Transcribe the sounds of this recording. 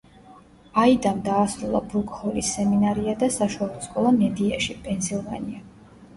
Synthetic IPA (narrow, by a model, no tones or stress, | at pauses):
aid̪amd̪aːsɾulˠa̰bɾukʼhɔlisːɛminaɾiad̪asaʃualˠɔskʼɔlˠamɛd̪iaʃipʼɛnsilˠvania